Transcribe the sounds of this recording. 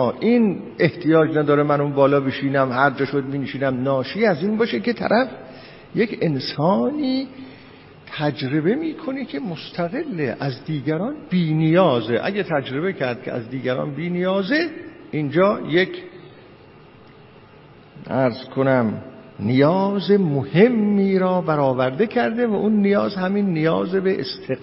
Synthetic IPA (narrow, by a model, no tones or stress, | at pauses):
ɒːʔin | e̞ht̪ʰijɒːd͡ʒnæd̪ɒːɾemænunbɒːlɒːbiʃiːnæmhæɾd͡ʒɒːʃod̪̚miːneʃiːnæmnɒːʃiæziːnbɒːʃeket̪ʰæ̰ɾʔæf | jekʰensɒːniː | t̪ʰæd͡ʒɾe̞be̞miːkʰo̞nekʲʰe̞most̪ʰæɣe̞lːeʔæzd̪iːɡæɾɒːnb̥iːnijɒːzeʔæ̰ɡæt̪ʰæd͡ʒɾe̞be̞cʰæɾd̪̚kʰʲḛæ̰zd̪iːɡæɾɒ̰ːnbiːnijɒːzeʔind͡ʒɒːjekʰ | ʔæɾzkʰonæm | nijɒːzemohe̞mːiːɾɒːbæɾɒːvæɾd̪ekʰæɾd̪evæʔunːijɒːzhæminːijɒːzebeʔḛst̪ʰe